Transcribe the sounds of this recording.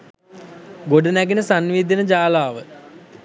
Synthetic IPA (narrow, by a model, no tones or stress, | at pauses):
ɡoɖənæɡenəsanʋiːd̪inəd͡ʒaːlaːʋə